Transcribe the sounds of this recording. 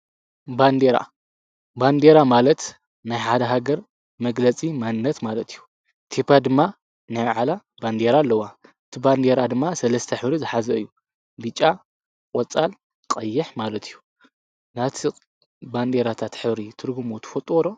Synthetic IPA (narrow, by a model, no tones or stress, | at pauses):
band̪eɾa̰ | band̪e̞ɾamalɐt̪ | najħad̪ɐɦaɡɐɾ | mɐɡlɐt͡sʼimanːɐt̪malɐt̪ʰijːu | t̪ʰepʰad̪ɨmːa | najmaʕalaband̪e̞ɾaːlːɐwaʔɨt̪ʰiband̪e̞ɾad̪ɨmːasɐlɐst̪ʰɐħɨβɾizɨħazɐɨ̰jːu | bɨt͡ʃʼːa | kʼɔt͡sʼal | qʼɐjːɪħmalɐt̪ʰijːu | nat̪ʰi | band̪eɾat̪ʰat̪ħɨβɾit̪ʰɨɾɡumot̪ʰɨ̥fɐt̪ʼwɔɾo̞